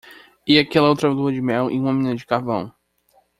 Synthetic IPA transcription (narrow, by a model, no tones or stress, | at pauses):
iakɛlɐowt̪ɾɐluɐd͡ʒɪmɛwʔɪ̰ũmɐmĩnɐd͡ʒɪkahvɐ̰̃w̃